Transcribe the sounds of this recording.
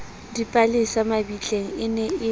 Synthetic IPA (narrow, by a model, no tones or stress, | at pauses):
dipʼalisamabit͡ɬʼeŋ̩ɪnɛɪ